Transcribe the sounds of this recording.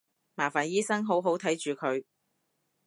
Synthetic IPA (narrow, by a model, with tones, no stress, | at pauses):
maː˨˩faː˨˩njiː˥sɐ˥ŋɦo˨˥wɦo˨˥wt̪ʰɐ˨˥jt͡ʃyː˨kʰɵ˨˧ɥ